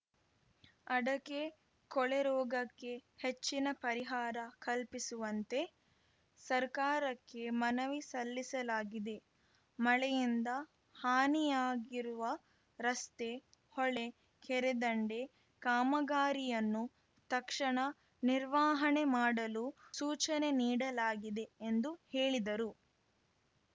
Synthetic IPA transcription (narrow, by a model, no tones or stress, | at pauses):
ɐɽɐke̞ | kɔɭeɾɔːɡɐkːe̞het͡ʃːinɐpɐɾiɦaːɾɐkɐlpisuʋɐnt̪e̞ | sɐɾkaːɾɐkːe̞mɐnɐʋisɐlːisɐlaːɡid̪e̞ | mɐɭejind̪ɐ | haːnijaːɡiɾuʋɐ | ɾɐst̪e̞ | hɔɭe̞ | kɛɾed̪ɐɳɖe̞ | kaːmɐɡaːɾijɐnːu | t̪ɐkʂɐɳɐ | niɾʋaːɦɐɳe̞maːɽɐlusuːt͡ʃɐne̞niːɽɐlaːɡid̪e̞ːnd̪uheːɭid̪ɐɾu